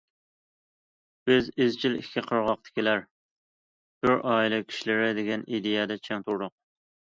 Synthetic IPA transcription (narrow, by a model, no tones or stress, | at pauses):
b̥ɪzɪzt͡ʃʰilikʲʰːiqʰəɾʁɑq̚t̪ʰɪ̥kʲilæɾ | d̪̥øɾʔɑːilˠɪkʲʰi̥ʃilɪɾɪd̪ɪɡʲɛnid̪ejɛd̪ɛt͡ʃʰɛŋt̪ʰuɾɾʊq̚